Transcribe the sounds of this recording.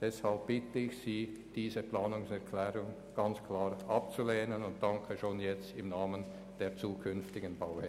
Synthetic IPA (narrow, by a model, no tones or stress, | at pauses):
d̥ɛshalp̚b̥ɪtəɪçsiː | d̥iːzəplaːnʊŋsɛʁkʰlɛːʁʊŋ | ɡ̥ɑnt͡skʰl̥aːʁʔɑp̚t͡suleːnənʊnt̚d̥ɑŋkʰəʃoːnjɛt͡stɪmnaːmən | d̥eːt͡suːkʰʏnftɪɡənbaʊhɛ